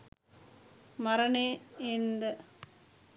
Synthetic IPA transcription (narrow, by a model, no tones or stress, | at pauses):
mɐɾɐneːend̪ɐ